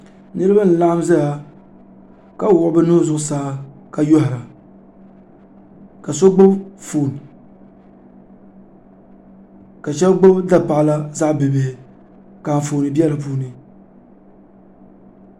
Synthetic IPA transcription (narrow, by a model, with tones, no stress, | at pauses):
nɨ˦ɾɨ˦ba˦n̩˨la˦a˦m˦zɨ˦ja˨ | ka˦wʊ˨ʔʊ˦bɨ˦nʊ˦zʊ˨ʔʊ˦saː˦ | ka˨jo˦hɪ˨ɾa˨ | ka˨so˦ɡ͡bo˦bfoː˨n˨ | ka˨t͡ʃɛ˦lɡ͡bo˦bda˦pa˨˦la˦za˦ʔbɨ˨beː˨ | ka˨ɱ˨foː˨nɨ˨bi˦ɛ˦la˨p̬uː˦nɨ˦